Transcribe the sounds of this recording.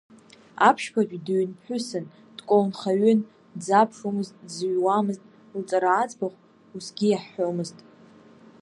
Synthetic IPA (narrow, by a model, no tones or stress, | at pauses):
a̰pʰʃpʰat͡ʃʲʷᶣʼdɥnpħʊsɨn | d̥kʷʼownχaɥʏn | d͡zapʰʂomɨztʼzɥwamɨztʼ | lt͡sʼaɾaːt͡sʼbaχʷ | usɡʲijaħːomɨztʼ